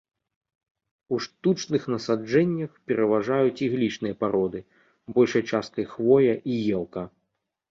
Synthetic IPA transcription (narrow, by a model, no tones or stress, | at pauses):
uʂt̪ut͡ʂnɨxnɐsad͡ʐɛnʲːɐxpʲɛɾɐvaʐajut͡sʲiɣlʲit͡ʂnɨjɐpaɾɔd̪ɨ | bɔlʲʂɐjt͡ʂast̪̚kɐjxvɔjɐʔijɛlˠkɐ